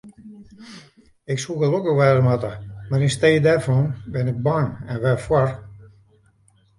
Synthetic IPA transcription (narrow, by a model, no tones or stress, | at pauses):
ɪksuɣəlokəxʋɛːdəmatəmaɾinsteːdɛrfɔnbɪnɪk̚baŋɛnʋɛfwɔr